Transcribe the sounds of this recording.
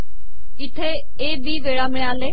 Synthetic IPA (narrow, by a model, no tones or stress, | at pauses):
ɪt̪ʰe | eːbiːʋeːɽamɪɽjaːleː